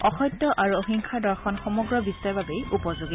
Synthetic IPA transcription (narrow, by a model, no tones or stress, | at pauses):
ɔxɔjtːɔʔaɹuoxiŋkʰadɔɹxɔnxɔmɔɡɹɔbistaɹbabejupɔzoɡit